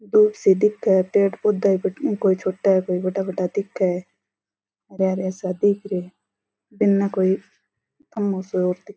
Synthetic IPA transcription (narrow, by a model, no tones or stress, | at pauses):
d̪uːpsid̪ɪkʰːapeːʈpod̪aibəʈkoːit͡ʃʰoːʈːaekoːibɐʈabɐʈad̪ɪkʰːae | ɐɾjaːɾɛːsad̪iːkʰɾe | bɪnːakoːi | t̪ʰɐmːoːsooːɾd̪ɪ